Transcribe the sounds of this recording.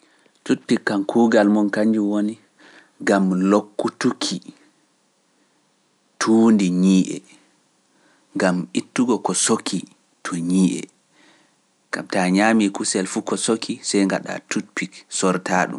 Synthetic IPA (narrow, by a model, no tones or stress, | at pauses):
tut̚pikːankʰuːɡalmɔnkaɲd͡ʒuwoni | ɡamlokːutukʰi | tʰuːndiɲiːʔɛ̰ | ŋɡamʔitːuɡɔkɔsokʰːi | tʰɔɲiːʔɛ̰ | ŋɡ̥amtaɲamikusɛlfukɔsokʰisɛjŋɡa̰ɗa̰tutpiksɔɾtʰaːɗṵm